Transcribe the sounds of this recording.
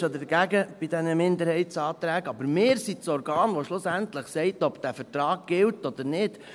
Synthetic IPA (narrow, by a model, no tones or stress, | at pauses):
ʃodəɡ̥æɡəb̥idɛnəmɪnd̪əɾhɛɪsɑːt̪ɾæːɡɑbəɾmɪːɾsisɔɾɡɑːnʋoʃlʊsæntləχsɛɪtɔb̥d̥æfəɾtɾɑːɡ̚ɡ̥ɪltɔd̥̪əɾnɪd̥